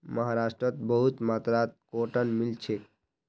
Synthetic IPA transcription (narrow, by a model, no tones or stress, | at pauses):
məɦaɾasʈɾət̪bəɦut̪mat̪ɾat̪̚koʈənmilt͡ʃʰek